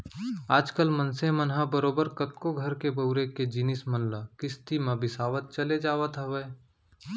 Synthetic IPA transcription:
aːd͡ʒkəlmə̃nsemənɦabəɾoːbəɾkɐt̪koɡʱɐɾkebɐʊɾeked͡ʒinɪsmɐnlakɪst̪imãbɪsaːʋət̪̚t͡ʃɐled͡ʒaːʋət̪ɦɐʋəe

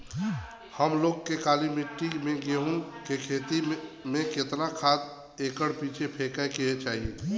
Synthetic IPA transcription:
həmloːɡkekaːlimɪʈːimẽɡeːɦunkekʰeːt̪imẽket̪nakʰaːt̪ | ekəɽpiːt͡ʃʰepʰekaekiɦet͡ʃaːɦie

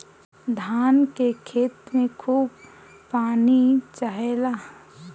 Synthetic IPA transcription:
d̪ʱaːnkekʰeːt̪mẽkʰuːb | paːnit͡ʃaɦelaː

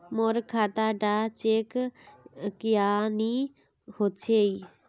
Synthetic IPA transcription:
moɾkʰaːt̪aːɖaːt͡ʃeːk | kɪjaːniː | hoːt͡ʃʰeiː

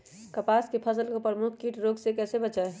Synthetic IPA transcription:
kəpaskepʰəsəlkopɾəmukʰkiːʈɾoːɡsekɛːsebət͡ʃae

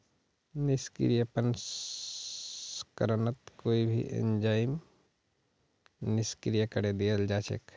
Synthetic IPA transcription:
nɪskɾijəpəns | kəɾnət̪koːibʱḭʔḛ̃nd͡ʒaːɪm | nɪskɾijəkəɽed̪iəld͡ʒaːt͡ʃḛk

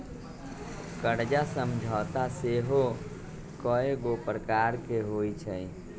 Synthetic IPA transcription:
kəɾd͡ʒasəmd͡ʒʱaːt̪aseɦo | kɔeɡopɾəkaɾkeɦoit͡ʃʰəj

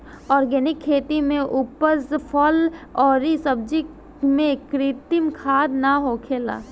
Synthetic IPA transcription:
ɔːɾɡɛnɪkʰːeːt̪imẽʔupəzpʰɔːlɔːɾisəb̚d͡ʒi | mẽkɾɪt̪ɪmkʰaːd̪naɦoːkʰeːla̰ː

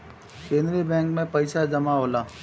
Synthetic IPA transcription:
kẽːnɾibɛ̃ːŋkmẽpɐɪʃad͡ʒɐmaɦoːlaː

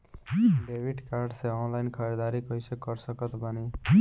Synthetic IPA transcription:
bebiʈkaɾɖseɔnlajnkʰʌɾed̪aɾikʌjsekʌɾsʌkʌt̪bani

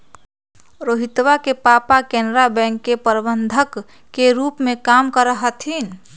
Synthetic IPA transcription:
ɾoːɦɪt̪wakepaːpakenɾabɛ̃ŋkːepəɾbənd̪ʱəkː | eɾuːpmẽkaːmkəɾəɦət̪ʰiːn

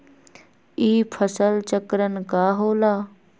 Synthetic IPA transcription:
iːpʰəsəlt͡ʃəkɾənkaːɦoːlaː

